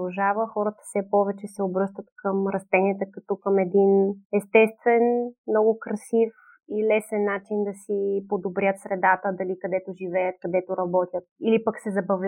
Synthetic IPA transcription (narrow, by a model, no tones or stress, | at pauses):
ʒavəxɔɾət̪ə̥fsɛpɔvɛt͡ʃɛsɛobɾɤst̪ət̪kʰəmɾɐst̪ɛniɛt̪əkɐt̪ɔkəmɛd̪inɛst̪ɛst̪vɛnmnɔɡʊkɾɐsif | ilɛsɛnːat͡ʃind̪ɐsipod̪obɾʲət̪sɾɛd̪at̪əd̪ɐlikɐd̪ɛt̪ʊʒivɛjət̪̚kɐd̪ɛt̪ʊɾɐbɔt̪ʲjət̪̚ilipəksɛzɐbɐvlʲ